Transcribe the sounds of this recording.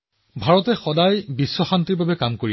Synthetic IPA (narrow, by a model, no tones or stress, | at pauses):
bʱaɹɔtɛxɔdajbisːɔxantiɹbabɛkamkoɹi